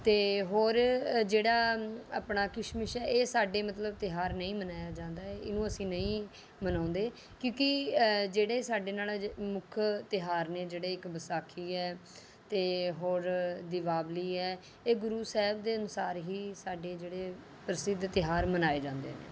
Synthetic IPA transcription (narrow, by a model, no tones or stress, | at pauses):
t̪eːɦoːɾd͡ʒeːɽaːa̰ːpɳaːkɪʃmɪʃɛːʔeːsaːɖeːmət̪ləb̚t̪ɪɦaːɾnəĩːmənaːjaːd͡ʒãːnd̪aːɛɪnũːəsĩːnəĩː | mənãːnd̪eː | kjõːkɪd͡ʒeːɽeːsaːɖeːnaːlmʊkʰt̪ɪɦaːɾneːd͡ʒeːɽeːɪkbəsaːkʰiːɛː | t̪eːɦoːɾd̪ɪʋaːbliːɛː | eːɡʊɾuːsɛːɦbd̪eːənʊsaːɾɦiːsaːɖeːd͡ʒeːɽeː | pɾəsɪd̪t̪ɪɦaːɾmənaːeːd͡ʒãːnd̪ḛːnḛː